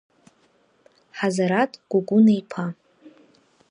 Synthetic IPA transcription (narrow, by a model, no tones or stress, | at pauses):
ħazaɾatʼɡ̥ʷʊɡʷʊnajpʰa